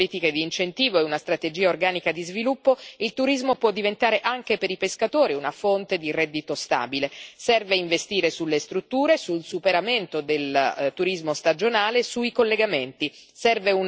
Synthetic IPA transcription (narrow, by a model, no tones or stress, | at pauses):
liːt̪iked̪iːnt͡ʃent̪iːvoɛunast̪ɾat̪ed͡ʒiːaorɡaːnikad̪izvilupːoilt̪uɾizmopwɔd̪ːivent̪aːɾeʔaŋk̟epeɾipeskat̪oːɾiunafont̪ed̪irɛd̪ːit̪ost̪a̰ːbilesɛrveiɱvest̪iːɾesulːest̪ɾut̪ːuːɾesulsupeɾament̪od̪elt̪uɾizmost̪ad͡ʒonaːlesuikolːeɡament̪isɛrveun